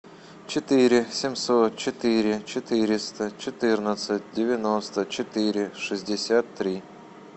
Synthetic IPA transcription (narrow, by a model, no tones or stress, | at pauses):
t͡ɕɪt̪ɨɾʲɪsʲɪmʲsot̪̚t͡ɕɪt̪ɨɾʲɪt͡ɕɪt̪ɨɾʲɪst̪ət͡ɕɪt̪ɨrnət̪sətʲdʲɪvʲɪnost̪ət͡ɕɪt̪ɪɾʲɪʂɨzʲdʲɪsʲat̪ːɾʲi